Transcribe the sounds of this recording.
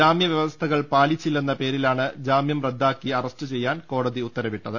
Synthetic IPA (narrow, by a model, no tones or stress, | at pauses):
aːmjɐʋjɐʋɐst̪ʰɐɣɐɭpaːlit͡ɕːilːenːɐpe̞ːɾilaːɳɨd͡ʑaːmjɐmred̪ʱːaːkːiɐrɐstɨt͡ɕe̞jːaːnko̞ːɽɐðiut̪ːɐɾɐʋiʈːɐðɨ